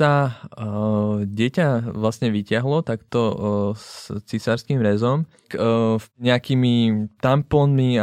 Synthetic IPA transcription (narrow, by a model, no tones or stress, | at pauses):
a | ɟɛcaʋlast̪ɲɛʋicɪaɦlɔt̪akt̪ɔst͡sisaɾskimɾɛzɔm | kɲɛakimit̪ampɔnmia